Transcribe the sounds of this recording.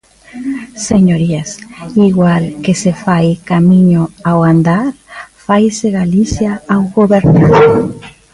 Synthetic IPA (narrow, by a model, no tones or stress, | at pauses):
seɲoɾiasiɣwalkesefajkamĩɲoawand̪aɾfajseɣaliθjaawɣoβeɾnað